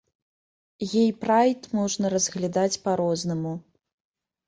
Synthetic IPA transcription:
jɛjpɾajt̪mɔʐnɐɾɐzɣlʲad̪at͡sʲpaɾɔznɐmu

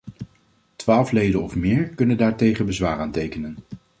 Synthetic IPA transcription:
tʋaːlˠflejdənɔfmɪːɹkɵnəndaːɹtejχənbəzʋaːraːntejkənən

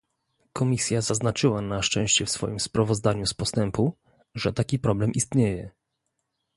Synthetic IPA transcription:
kʰɔmʲisʲjazaznat͡ʂɘwanaʂt͡ʂɛ̃w̃ɕt͡ɕɛfsfɔ̰jimspɾavɔzd̪aɲuspɔst̪ɛmpu | ʐɛt̪akʲipɾɔblɛmʔist̪ɲejɛ

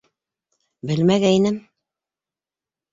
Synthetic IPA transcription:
bɘlmæɣæinɘm

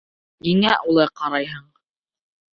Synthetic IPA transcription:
niŋæʔulˠɤqɑɾɑjɦɤɴ

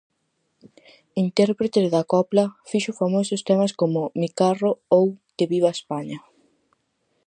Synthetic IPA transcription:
int̪ɛɾpɾet̪eðɐkɔplɐfiʃʊfamosʊst̪ɛmɐskomʊmikaroowk̪eβiβɐespaɲɐ

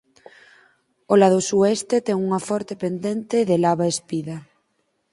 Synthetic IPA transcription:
olaðosuɛst̪et̪ɛŋuŋɐfɔɾt̪epend̪ent̪eðelaβaespiðɐ

